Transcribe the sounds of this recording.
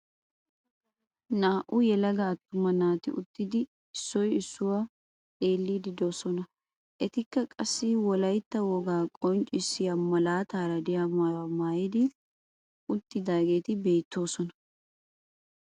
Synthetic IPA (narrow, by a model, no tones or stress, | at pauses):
naːʔʊjɛlɐɡɐːt̪ːʊmɐnaːt̪ɪ̰ʊ̰t̪ːɪd̪ɪ | ɪsːɔjɪsːʊwa | tʼe̞ːlːiːd̪ɪd̪o̞ːsɔnɐ | ʔɛt̪ɪkːɐkʼɐsːɪwɔlɐjt̪ːɐwɔɡaːkʼɔnt͡ʃʼɪsːɪjɐmɐlaːt̪aːɾɐd̪ɪjamamaːjɪd̪ɪ | ʊt̪ːɪd̪aːɡe̞ːt̪ɪbe̞ːt̪ːo̞ːsɔnɐ̥